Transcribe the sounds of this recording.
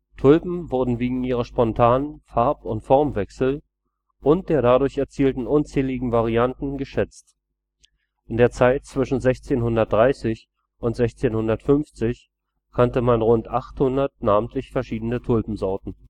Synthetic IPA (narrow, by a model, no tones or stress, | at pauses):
tʰʊlpm̩vʊɐdn̩veːɡŋ̩iːʁɐʃpɔntʰaːnənfaɐpʊntfɔɐmvɛksl̩ | ʔʊnt̚d̥eːɐɾadʊɐçɛɐt͡siːltn̩ʔʊnt͡sɛːlɪɡŋ̩vaʁiantn̩ɡəʃɛt͡st | ʔɪndeːɐt͡saɪtt͡sv̥ɪʃn̩zɛçt͡seːnhʊndɐt̚d̥ʁaɪsɪç | ʔʊntz̥ɛçt͡seːnhʊndɐtfʏnft͡sɪç | kʰantəmanʁʊntʔaχthʊndɐt̚naːmən̩tʰlɪçfɛɐʃiːdənətʰʊlpm̩zɔɐtn̩